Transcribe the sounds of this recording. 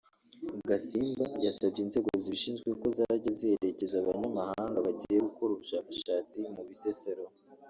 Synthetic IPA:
ɡasiːmbajasabɟinze̞ːɡoziʃiːnzɡweko̞zaɾaɟazieɾe̞ce̞zaβaɲamahaːŋɡaβaɟije̞ɡuko̞ɾuβuʃaːkaʃaːt͡simuβiseseɾo

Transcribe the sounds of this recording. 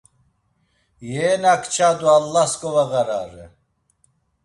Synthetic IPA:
jɛːnakʰt͡ʃʰad̪ualːaskʼɔvaɣaɾaːɾɛ̰

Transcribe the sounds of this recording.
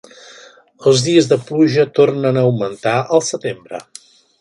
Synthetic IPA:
əlˠzðiəzðəpluʒət̪ornənəːwmənt̪aʔəlˠsət̪embɾə̰

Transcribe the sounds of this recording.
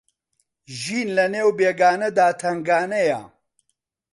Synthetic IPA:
ʒiːnlɐneːwbeːɡaːnɐd̪aːt̪ʰɐŋɡaːnɐjɐ̰

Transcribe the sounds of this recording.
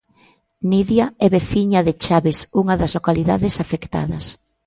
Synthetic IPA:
niðjaɛβeθiɲaðɪt͡ʃaβɪsuŋɐðɐzlokaliða̰ðɪsafekt̪a̰ðɐs

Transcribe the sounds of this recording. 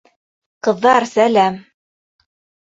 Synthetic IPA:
qɤ̆ðːɑɾsælæm

